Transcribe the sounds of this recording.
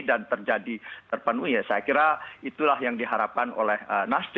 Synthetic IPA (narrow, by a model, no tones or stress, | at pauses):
dant̪ərd͡ʒadit̪ərpənuijasajakiɾait̪ulahjaŋdiɦaɾap̚kano̰lɛhənasd͡ʒ